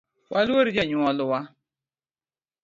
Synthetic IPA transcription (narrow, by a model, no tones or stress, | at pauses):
wʔaluweɾid͡ʒaɲʊɔlʊwa